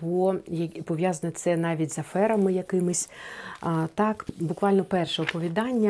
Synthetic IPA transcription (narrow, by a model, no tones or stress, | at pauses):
bɔjɐpɔʋʲjɑzɐnɔt̪sɛnɑʋʲitʲzɐfɛɾɐmɪjɐkɪmɪsʲ | t̪ɑkbʊkʋɑlʲnɔpɛrʃɛɔpɔʋʲid̪ɑnʲːɐ